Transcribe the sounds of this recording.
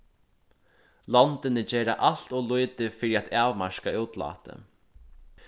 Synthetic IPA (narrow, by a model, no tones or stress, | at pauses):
lɔnt̪ɪnɪd͡ʒeːɾa̰ʔal̥t̪ɔlʊjt̪ɪfɪːɾiat̪aːvmaʃkauːt̪lɑ̰ːt̪ɪ̰